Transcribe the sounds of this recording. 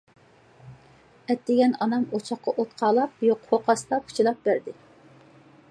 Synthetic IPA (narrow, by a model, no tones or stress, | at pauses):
ɛt̪ːɪɡʲɛnɑnɑmot͡ʃʰɑχqːɑʔot̪qʰɑːlˠɑp̚joqhoqʰɑst̪ɑpʰu̥t͡ʃʰilˠɑp̚bæɾd̪ɪ